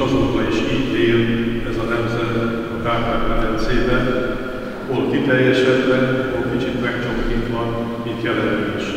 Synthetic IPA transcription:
ɒzokbɒiʃiːɟt̪eːlɛzɒnɛmzɛt̪ | ɒkaːɦaːvɛɾɛnseːbɛ | olt̪it̪ɛjːɛʃɛd̪bɛolkit͡ʃit̪mɛkt͡ʃokːint̪ʋɒn | mit̪jɛlɛnɛʃ

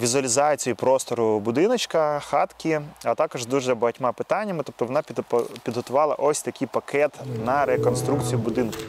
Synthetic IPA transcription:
ʋʲizʊɐlʲizɑt͡sʲijipɾɔst̪ɔɾʊbʊd̪ɪnɐt͡ʃkɐxɑt̪kʲiɐt̪ɑkɔʒd̪uʒzɐbɐɦɐtʲmɑpɪt̪ɑnʲːɐmɪt̪ɔp̚t̪ɔʋɔnɑp̪ʲppʲid̪ɦɔt̪ʊʋɑlˠɐʔɔsʲt̪ɐkɪjpɐkʰɛt̪nɐɾekɔnst̪ɾukt͡sʲijibʊd̪ɪnkʊ

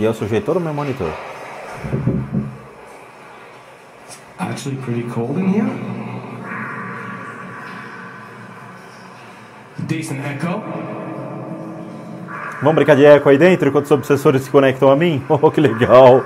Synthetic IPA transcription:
iewsuʒejt̪t̪od̪ʊmewmõnit̪o̰ɾ | a̰k̚t͡ʃul̩ˠipʰɹ̥ɪɾikʰolˠdɪ̃nhi | disə̃ntɛkoʊ | vɐ̃w̃bɾĩŋkaɾd͡ʒɪɛkʊaid̪ẽnt̪ɾɪkwɐ̃nt̪ʊzobɪsesoɾɪssɪ̥konɛk̚t̪ɐ̃w̃amĩokɪleɡaw

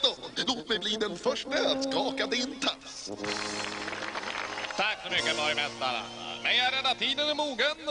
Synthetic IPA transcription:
ɔloːt̪d̪ɛjbliːd̪ɛnfœʂʈət̪skɑːkad̪ɪnt̪ʰa | t̪ʰakfəɾmʏkːəbɑɾɪmɛst̪ːaɾ̰ | mɛjæɾɛnat̪ʰiːd̪ənəmuːɡən

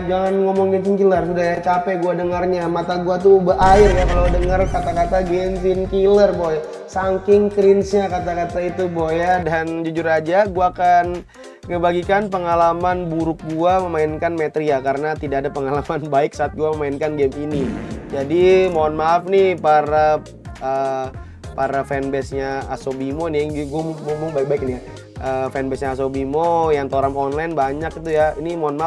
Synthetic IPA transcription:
d͡ʒaŋanŋɔmɔŋɡɛnsɪnkilərsudaɦjat͡ʃapɛɡuadəŋərɲamat̪aɡuat̪ubaɦaɪrjakaladəŋərkat̪akat̪aɡɛnsɪnkilərboj | saŋkɪŋt̪ɾɪnsɲakat̪akat̪ait̪ubojjadand͡ʒud͡ʒʊɾad͡ʒaɡuaːkan | ŋəbaɡikanp̬əŋalamanbuɾʊk̚ɡuaməmaɪnkanmet̪ɾiakaɾənat̪idaʔadapəŋalamanbaɪk̚saːt̪̚ɡuaməmaɪnkanɡɛminid͡ʒadimonmafnipaɾa | ə | paɾafɛnbɛsɲaasobimoniɡuammumuŋbaɪk̚baɪk̚nia | ʔəfɛnbɛsɲaːs̬obimojaŋt̪oɾamɔnlajnbaɲakit̪ujainimonma

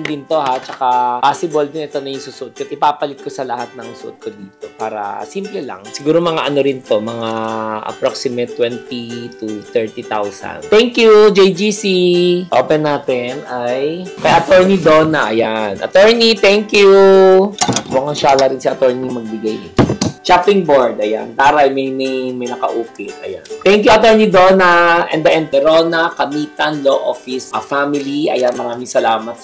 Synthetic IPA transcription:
nd̪ɪnt̪o̞ɦat͡ʃɐkapaːsɪbold̪ɪnɛt̪o̞nɐjʊŋsuːsʊʔod̪̚koʔɪpaːpɐlɪt̪̚kosɐlɐhat̪̚nɐŋsʊʔot̪̚kod̪iːt̪opaːɾɐ̰simplɛlɐ̰ŋsɪɡuːɾo̞mɐŋaʔɐno̞ɾɪnt̪o̞mɐŋaʔɐ̰pɾoksɪmɛt̪ːwɛnt̪it̪ut̪ɛɹt̪it̪awsɐ̰nt̪ɛŋkjud͡ʒejd͡ʒisiʔo̰ːpɛnːaːt̪ɛnʔajkɐjaʔɐt̪ɛɹnid̪oːnɐʔɐjanʔɐ̰t̪ɛɹnit̪ɛŋkju | mʊkaŋʃaːlɐɾɪnsiɐt̪ɛɹniŋmɐɡ̚bɪɡaj̰t͡ʃapɪŋboɹd̪ɐja̰npaːɾɐɐjmɐjmɐjmɐjnɐkɐ̰ʔuːkɪʔʔɐ̰ja̰nt̪ɛŋkjuɐt̪ɛɹnid̪oːnɐʔɛ̰nd̪ɐʔɛnt̪ɛɾoːnɐkɐmiːt̪ɐnloʔo̰fɪsɐfamɪliʔɐ̰janmɐɾaːmɪŋsɐlaːmɐt̪̚

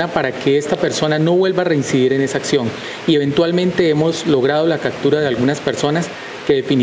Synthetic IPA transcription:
apaɾake̞est̪ape̞ɾso̞nano̞βwe̞lbare̞insiðiɾe̞ne̞saːksjo̞ŋ | ie̞βẽ̞nt̪walmẽ̞nt̪e̞emo̞zlo̞ɣ̞ɾað̞o̞lakap̚t̪uɾað̞e̞alɡunaspe̞ɾso̞nas | ke̞ðefin

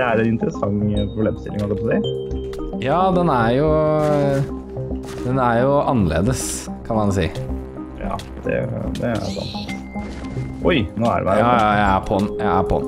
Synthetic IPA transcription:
ɛæɾɛnɪnt̪əɾəsɑŋpʰɾʊb̪leːmst̪ɪ̰lɪŋhɑəpʰɔsiɪ | jɑːd̪ɛnæɾjʊ | d̪̥ɛnæɾjʊʔɑnːəlḛːd̪əskʰɑnmɑns̬iː | jɑ̰ː | d̪ɛ̰d̪ɛæ̰ɾsɑ̰nt̪ | ʔɔjnoːæ̰ɾ̰mæɑjæɪæpʰɔnjæɪæpʰɔ̰n

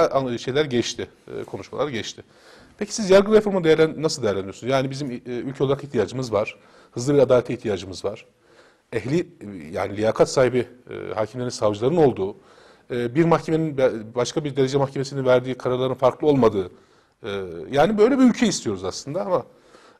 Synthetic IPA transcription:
ʃe̞jlʲæɾɟɛt͡ʃt̪ʰɪ̰kʰo̞nuʃma̰lˠaɾɟɛt͡ʃt̪ʰɪ | pʰecʰi̥sizjaɾɡɯnɾefo̞ɾmund̪ejæɾlʲænːasɯlˠd̪ejæɾlʲænijosnzjaːnibizimylʲcʰlˠaɾakiht̪ʰijaːd͡ʒɯmɯzvaɾ̥ | hɯzlˠɯbiɾad̪aːlʲet̪ʰiht̪ʰijaːd͡ʒɯmɯzvaɾ̥ | ɛɦlʲija̰ːnilʲijaːkʰat̪saːɦibḭhaːcʰimlʲeɾinsavd͡ʒɯlˠaɾɯno̞lˠd̪uː | biɾmaxcʰeme̞ninbaʃkʰabiɾd̪e̞ɾe̞d͡ʒɛmaxcʰe̞mesininvæɾd̪iːkʰaɾaɾlˠaɾɯnfaɾklˠɯo̞lˠmad̪ɯː | jaːnibø̞jlʲebiylʲcʰɛist̪ʰijo̞ɾuzaslˠɯnd̪aama

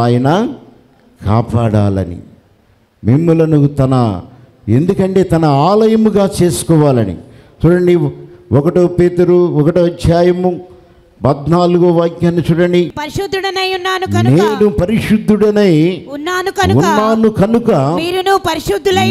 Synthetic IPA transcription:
aːjɐnɐ | ka̰ːpaːɽa̰ːlɐ̰nḭ | mimːulɐnut̪ɐnɐ̰ | e̞̰nd̪ukɐɳʈe̞ːt̪ɐnɐaːlɐjɐmuɡaːt͡ʃe̞ːsu̥kɔːʋaːlɐnḭ | t͡ʃuɽɐɳɖiɔkɐʈoːpeːt̪ɐɾuɔkɐʈoːɐdjaːjɐmu | pɐd̪naːluɡoʋaːɡjɐːnit͡ʃuɽɐɳɖipɐɾiʃud̪ːuɽɐnɐjunːaːnuɐneːnupɐɾiʂud̪ʱːuɽɐnɐjunːaːnuɐnunːaːnukɐnukɐmiːɾunupɐɾiʃud̪ːulɐ

